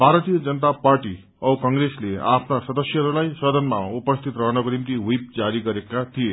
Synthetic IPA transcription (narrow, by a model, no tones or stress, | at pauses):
bʱaɾʌt̪ijʌd͡zʌnʌt̪aparʈi | ʌkʌŋɡreslea̰pʰnasʌd̪ʌsjʌɦʌɾulajsʌd̪ʌnmaupʌst̪ʰit̪rʌɦnʌkonimt̪iɦijp̚d͡zaɾiɡʌɾekat̪ʰije